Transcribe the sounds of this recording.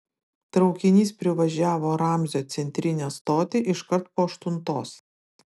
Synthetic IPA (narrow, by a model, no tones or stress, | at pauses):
t̪ɾɒʊkʲɪnʲiːspʲɾʲɪʋɐʒʲæːʋoːɾɑˑmʲzʲoːt̪sʲɛnʲt̪ʲɾʲɪnʲɛːst̪oːt̪ʲeʔɪʃkɐɾt̪poːɐʃt̪ʊnt̪oːs